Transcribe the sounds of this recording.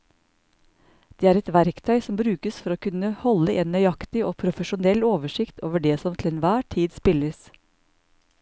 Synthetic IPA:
d̪̥eːæːɾɛt̪ʋæɾkt̪ʰœʏsɔmbɾʉːkəsfɔɾoːkʰʉnəhɔləʔeːnnːœʏɑkt̪ɪʔoːpʰɾʊfəʃʊnɛloːʋəʃɪkt̪ʰo̰ːʋəɖeːsɔmt̪ʰɪlɛnʋæːʈʰiːd̪spɪləs

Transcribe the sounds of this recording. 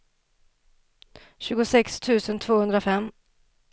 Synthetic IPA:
ɕʉ̟ːɡʊsɛkst̪ʰʉ̟ːsənt̪ʰvoːhɵnd̪ɾafɛmː

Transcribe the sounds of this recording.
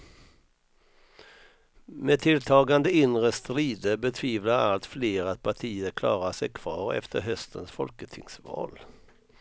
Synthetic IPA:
met̪ʰɪlt̪ʰɑːɡand̪əɪnɾəst̪ɾiːd̪əbɛt̪ʰviːvlaɾa̰lt̪fleːɾat̪̚pʰaʈʰiːəɾkʰlɑ̰ːɾaʂɛjkʰv̥ɑːɾɛ̰ft̪ʰəɾɦœst̪ʰənsfɔlkət̪ʰɪŋsvɑ̰ːl

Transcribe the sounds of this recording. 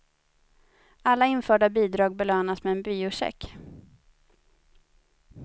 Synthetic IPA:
alːaɪnfœːɖabiːd̪ɾɑːɡ̚bɛløːnasmɛɛnbyːʊʂɛ̰kː

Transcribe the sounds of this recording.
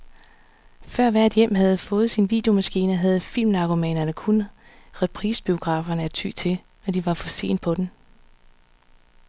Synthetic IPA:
fɶɐ̰ʋæɐ̰d̥jem̰ɦæð̞̩ˠfɔ̽ːð̩ˠsinʋḭːd̥e̝o̝mæsɡ̥ḭːnɐɦæð̞̩ˠfil̰mnɑ̈ɡ̥omɛ̰nɐnəkʰun | ʁɛpʰʁiːsb̥io̝ɡ̥ʁɑ̈ːfɐnəæɐt͡sʰy̰t͡sʰe̝l | æd̥iʋɑ̈fɒ̽se̝̰ːnd̥̚pʰɒ̽d̥em

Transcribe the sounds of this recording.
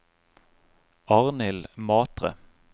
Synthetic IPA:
ʔɑʁnɪlmɑːt̪ʁə̰

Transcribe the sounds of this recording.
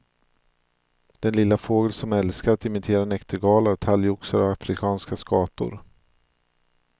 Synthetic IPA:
d̪̥ɛnlɪlːafoːɡəlsɔmɛlskaɾat̪̚ɪmɪt̪ʰeːɾanɛkt̪əɾɡɑːlaɾt̪ʰaljʊksaɾɔvafɾɪkʰɑːnskaskɑːt̪ʊ̰ɾ

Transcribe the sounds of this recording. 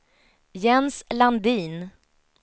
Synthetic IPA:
jɛnsland̪iːn

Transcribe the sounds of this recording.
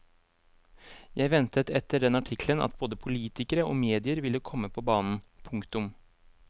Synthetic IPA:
jæɪʋɛnt̪ət̪ɛt̪ːəɖɛnɑʈʰɪkʰlənɑ̰t̪̚boːd̪əpʰʊliːt̪ɪkəɾəoːmeːd̪ɪəɾʋɪlːəkʰɔmːəpʰɔbɑːnn̩pʰʊŋkt̪ʊm

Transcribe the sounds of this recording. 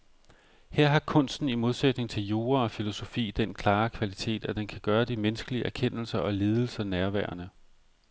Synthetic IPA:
heɐ̰ɦɑ̈kʰɔ̽n̰sd̥n̩imo̝ðˠsed̥ne̝ŋt͡sʰe̝ljo̝ːɐɒ̽filo̝so̝fḭːd̥enkʰlɑ̈ːkʰʋælit͡sʰe̝̰ːd̥æd̥enkʰæɡ̥ɶːɐd̥imensɡ̥əliəæɐkʰen̰l̩sɐʔɒ̽leːð̞ˠl̩sɐnæɐʋæɐnə

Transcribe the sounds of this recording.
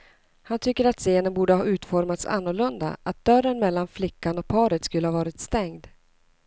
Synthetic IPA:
hant̪ʰʏkːəɾat̪seːnənbuːɖəhɑːʉ̟ːt̪fɔɾmat̪sa̰nːʊɭɵnd̪a̰ʔat̪̚d̪̥œrənmɛlːanflɪkːanɔk̚pʰɑːɾət̪skɵləhɑːvɑːɾɪt̪st̪ɛŋd̪

